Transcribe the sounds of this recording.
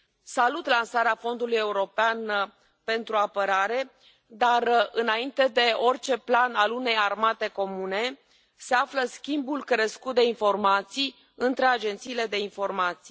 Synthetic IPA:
salut̪lansaɾeafo̞nd̪uluje̞uɾo̞pean | pe̞nt̪ɾuapəɾaɾe̞ | d̪arɨnaint̪e̞d̪e̞o̞rʲt͡ʃe̞planalune̞jarmat̪e̞ko̞mune̞ | se̞afləskʲimbulkɾəskut̪̚d̪e̞info̞rmat̪sij | ɨnt̪ɾe̞ad͡ʒe̞nt̪siːle̞d̪e̞info̞rmat̪si̥j

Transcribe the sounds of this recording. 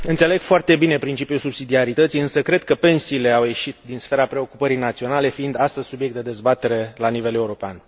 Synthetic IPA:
ɨnt̪se̞le̞ɡ̥foart̪e̞bine̞pɾint͡ʃipijulsubsid̪iaɾit̪ət̪siɨnsəkɾe̞d̪̚kəpe̞nsiːle̞awje̞ʃit̪̚d̪insfe̞ɾapɾe̞o̞kupəɾijnat̪sio̞nale̞fiind̪ast̪əzʲsubjek̚t̪d̪d̪ezbat̪e̞ɾe̞lanive̞le̞uɾo̞pea̰n

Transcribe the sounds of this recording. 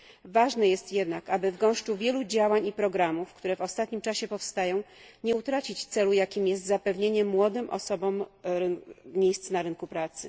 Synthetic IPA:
vaʐnɛjɛst̪jɛd̪nakabɘvɡɔ̃w̃ʂt͡ʂuvʲjɛlud͡ʑawaɲipɾɔɡɾamufkt̪uɾɛvɔst̪at̪ɲimt͡ʂaɕɛpɔfst̪ajɔ̃w̃ɲɛut̪ɾat͡ɕit͡ɕt̪sɛlujakʲimjɛst̪zapɛvɲeɲɛmwɔd̪ɘmʔɔ̰sɔbɔm | mʲjejst̪snaɾɘnkupɾat̪sɘ

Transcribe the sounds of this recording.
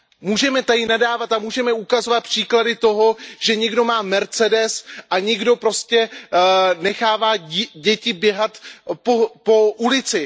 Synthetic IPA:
muːʒɛmɛt̪adɪnadaːvat̪amuːʒɛmɛukazo̞vat̪̚pr̝̥iːkladɪt̪o̞ɦo̞ʒɛɲɛɡdo̞maːmɛɾt͡sɛdɛsʔaɲɪɡdo̞pɾo̞scɛ | nɛxaːvaːɟɛcɪbjɛɦat̪popo̞ʔulɪt͡sɪ

